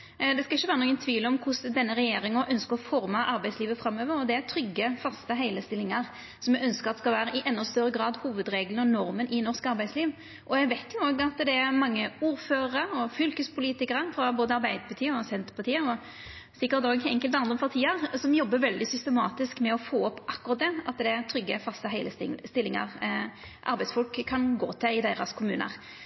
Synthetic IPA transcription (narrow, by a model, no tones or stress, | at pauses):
d̪ɛskɑɪçːəʋæːɾənuːɡənt̪ʰʋiːləɔmkʰʊsd̪ɛnːəɾɛjeːɾɪŋɔʔœnskəʁɔfɔɾməʔɑɾbæɪd̪sliːʋəfɾɑmːøːʋəɾɔd̪ɛæɾt̪ʰɾʏɡːəfɑst̪əɦæɪləst̪ɪlːɪŋəʁ | sɔmɛœnskəʁɑt̪ɛskɑlʋæːɾəʔɪʔɛnːɔst̪œɾəɡɾɑːd̪huːʋəd̪ɾeːɡlənɔnɔɾmənʔɪnɔʁskɑɾbæɪsliːʋ | ʔɔɛɡʋæɪt̪ʰjʊoːɡɑt̪d̪ɛæɾmɑŋːəuːɾføːɾəəɔfʏlkəspʰʊliːt̪ɪkəʁəfɾɑboːd̪əɑɾbæɪd̪əpʰɑt̪ʰiːəɾɔsɛnt̪əɾpɑʁt̪ʰiːəɾɔ | sɪkːəɾt̪oːɡɛŋkəlt̪ɑnd̪ʁəpʰɑʁt̪ʰiːəʁsɔmjɔbːəʋɛld̪ɪsʏst̪əmɑːt̪ɪskmɛɔfoːɔpːʔɑkːʊʁɑt̪̚d̪ɛɑt̪d̪ɛæɾt̪ʰɾʏɡːəfɑst̪əɦæɪləst̪ɪlːɪŋə̰ʁ | ʔɑ̰ɾbæɪsfɔlkkʰːɑnɡo̰ːt̪ʰɛɪd̪eːɾɑskʰʊmʉ̰ːnə̰ʁ